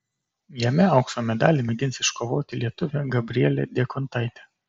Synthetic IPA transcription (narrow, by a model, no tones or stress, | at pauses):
jɛmʲɛɐʊksoːmʲɛd̪ɑːlʲimʲɛɡ̪ʲɪnʲˑsɪʃkoːʋoːt̪ʲɪlʲiɛt̪ʊʋʲɛɡɐbʲɾʲɪɛlʲḛd̪ʲeːkɔnt̪ɐɪt̪ʲɛ